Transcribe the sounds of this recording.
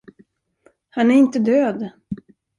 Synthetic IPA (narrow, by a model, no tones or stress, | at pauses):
hanæɾɪnt̪əd̪øːd̪